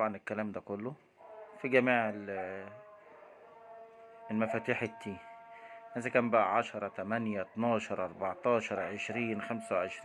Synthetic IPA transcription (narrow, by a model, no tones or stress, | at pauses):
t̪ɑbʕɑnekːælæːmd̪ækolːo | fiɡæmiːʕel | elmæfæːt̪uːħet̪ʰːiː | hæːzækæːmbæʔæ̰ʕɑʃɑɾˤɑt̪æmænjæt̪nɑːʃɑɾˤʔɑɾˤbɑʕt̪ˤɑːʃɑɾˤʕeʃɾiːnxæmsæwʕeʃɾiː